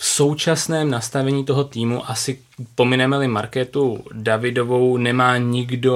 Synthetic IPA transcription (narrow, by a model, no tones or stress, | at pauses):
fso̞wt͡ʃasnɛːmnast̪avɛɲiːt̪oɦo̞t̪iːmuʔasɪ | po̞mɪnɛmɛlɪmaɾkɛt̪udavɪdo̞vo̞wnɛmaːɲɪɡdo̞